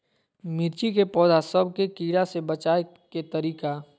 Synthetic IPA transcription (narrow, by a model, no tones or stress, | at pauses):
mɪɾt͡ʃikepɔːd̪asəbkekiːɾasebɐt͡ʃaːe | ket̪ɐɾiːka